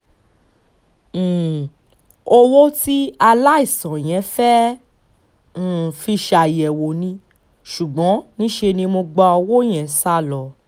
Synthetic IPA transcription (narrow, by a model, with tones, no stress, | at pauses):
o˧wo˦ti˦a˧la˦i˦˨sã˨j̃ɛ̃˨˦fɛ˦˨ | fi˧ʃa˨i˨ɛ˨wo˨nĩ˧ | ʃu˨ɡ͡bɔ̃˨˦nĩ˦ʃe˧nĩ˧mo˧ɡ͡ba˧ɔ˧wo˦j̃ɛ̃˨sa˦lɔ˨